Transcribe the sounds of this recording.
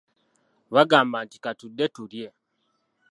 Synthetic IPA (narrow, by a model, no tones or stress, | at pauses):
βaɡaːmbaːntikatudːe̞tuɾje̞